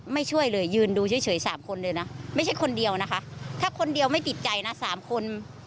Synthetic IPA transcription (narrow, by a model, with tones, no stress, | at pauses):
ma˥˩jt͡ɕʰu˥˩əjlɤː˧jːɯː˧nduː˧t͡ɕʰɯː˦˥˩t͡ɕʰɤː˩˦jsaː˩˦mkʰo˧nlɤː˧jna˦˥ma˥˩jt͡ɕʰa˥˩jkʰo˧ndi˧əwna˦˥kʰa˦˥ʔt̪ʰaː˥˩kʰo˧ndi˧əwma˥˩jt̪i˨˩t̪̚t͡ɕa˧jna˦˥saː˩˦mkʰo˧n